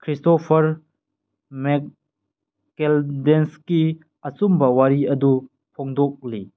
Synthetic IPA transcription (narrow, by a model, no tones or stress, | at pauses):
kʰɾistopʰɐɾ | mek | keldenski | ɐt͡sumbɐwaɾiɐdu | pʰoŋdɔk̚li